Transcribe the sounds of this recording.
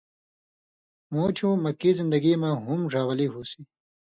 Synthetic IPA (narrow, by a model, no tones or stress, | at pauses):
moːt͡ɕʰũmɐkːizɪnd̪ɐɡimãɦumʐaːwɐliɦusi